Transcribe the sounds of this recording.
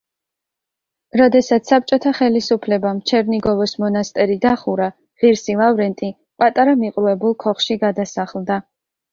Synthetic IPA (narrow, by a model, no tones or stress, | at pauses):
ɾɔd̪ɛsat̪sʰsːap̚t͡ʃʼɔt̪ʰaχɛlisupʰlɛbamt͡ʃʰɛɾniɡɔvɔsmɔnast̪ʼɛɾid̪aχuɾa | ʁiɾsilˠavɾɛnt̪ʼi | pʼat̪ʼaɾamiqʼɾuɛbulˠkʰɔχʃiɡad̪asaχlˠd̪a